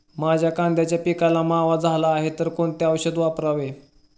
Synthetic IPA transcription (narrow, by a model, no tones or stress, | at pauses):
mad͡ʑʱjakãnd̪ʱjat͡ɕjapikalamaʋad͡zʱalaːɦet̪əɾkoɳt̪eaʋɕəd̪ʋapɾaʋe